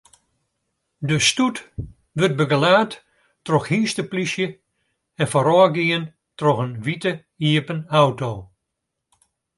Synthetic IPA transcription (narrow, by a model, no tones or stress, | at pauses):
dəstut | ʋøt̚bəɡəlaːtː | rɔxhiːstəplisjə | ɛnfɔɾɔːɡiən | trɔxənʋitə | iəpənawtoː